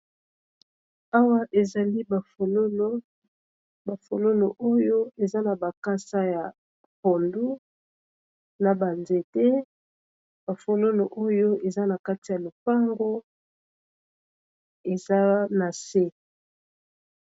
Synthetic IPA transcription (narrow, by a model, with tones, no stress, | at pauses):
a˦wa˦ʔe˨za˨li˦ba˨fo˨lo˦o˦ | ba˨fo˨lo˦lo˨ʔo˦jo˦e˨za˦na˨ba˨ka˦sa˦ja˨ | po˨ndu˦ | na˨ba˨nze˨te˦ | ba˨fo˨lo˦lo˨ʔo˦jo˦e˨za˦na˨ka˦ti˨ja˨lo˨pa˦ŋɡo˦ | e˨za˦na˨se˦